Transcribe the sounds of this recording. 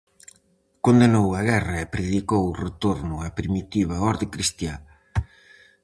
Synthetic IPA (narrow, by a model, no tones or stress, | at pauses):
kond̪enowɐɣɛrɐepɾeðikowret̪oɾnʊapɾimit̪iβ̞ɐɔɾðɪkɾist̪ja